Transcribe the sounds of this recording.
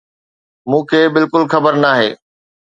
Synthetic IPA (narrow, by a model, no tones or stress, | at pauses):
mũːkʰeːbɪlkʊlxɐbəɾnaːɦḛː